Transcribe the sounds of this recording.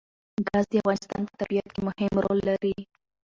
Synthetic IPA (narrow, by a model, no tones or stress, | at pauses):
ɡɑzd̪əafɣɑnɪst̪ɑ̰npə̥t̪abijat̪̚kemʊhɪmɾo̰lːaɾi